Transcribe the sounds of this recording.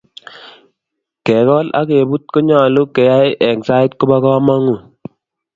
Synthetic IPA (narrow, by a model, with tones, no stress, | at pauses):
kɛ˨kɔ˦la̰˦ke˨bu˦t̚ko˦ɲa˨lu˦kɛ˨ja˦jʔɛ˨ksa˦ɪ˦tku˦ba˦kɔ˦ma˦ŋu˨